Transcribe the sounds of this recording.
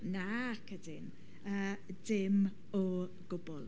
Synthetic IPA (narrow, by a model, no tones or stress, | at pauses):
nakʰədɪn | əː | dɪm | ɔ | ɡ̥ʊbɔlˠ